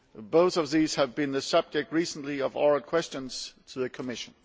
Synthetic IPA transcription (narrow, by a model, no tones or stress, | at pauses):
boʊθʌvðiz̥ɨvbɨ̃nðɨsʌb̚d͡ʒɛk̚t̚ɹisn̩liʌvɔɹlˠkʰw̥ɛst͡ʃə̃nz̥tʰɨðɨkʰəmɪʃə̃n